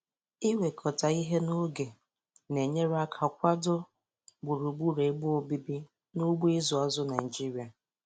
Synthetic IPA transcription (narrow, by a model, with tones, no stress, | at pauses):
i˦we˨kʰɔ˨ta˨i˦ɦe˦no˦ɡe˨ | ne˨ɲe˦ɾa˦kʰa˨kʷa˦dʊ˦ | ɡ͡bʊ˨ɾu˨ɡ͡bu˦ɾe˨˦ɡ͡bʊ˦o˨bi˦bi˦ | nu˦ɡ͡bu˦i˦zʊ˨a˦zʊ˦na˨ɪ˨d͡ʒi˦ɾi˨a˨